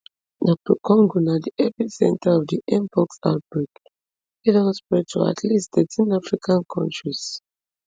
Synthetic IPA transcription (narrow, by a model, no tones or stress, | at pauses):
dɔk̚tʰɔkʰɔ̃ŋɡunadiʔɛpisɛ̰̃ntʰaɔvdiʔɛ̃mpɔksa̰ʊt̚bɹik | ɛdɔ̃spɹɛtʰua̰tʰlistθɛtʰĩnafɹikʰãnkʰɔ̰̃ntɹis